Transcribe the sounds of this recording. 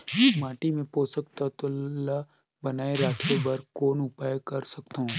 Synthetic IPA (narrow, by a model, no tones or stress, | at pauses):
maːʈimẽpoːsək̚t̪at̪ʊla | bɐnaːeɾaːt̪ʰebɐɾkoːnʊpaːjkɐɾsɐkt̪aɦũː